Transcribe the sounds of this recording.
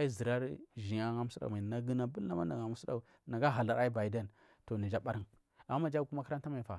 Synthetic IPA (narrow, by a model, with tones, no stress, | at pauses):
a˦i˦zi˨ɾa˦ɾʒi˨ɲa˦ŋa˦mu˦su˦a̰˨ma˨na˨ɡi˦na˨bu˦a˦ma˦n˦a˨ŋa˨mu˦su˦da̰˨u˨ | na˨ɡa˦ɦa˨la˨ɾa˦i˦ba˨de˦˨n | to˨ni˨d͡ʒa˦ba˦ɾi˦n | a˨ma˦mːa˦d͡ʒa˦ku˦ma˦ka˦ɾa˦nta˦ma˨jfa˨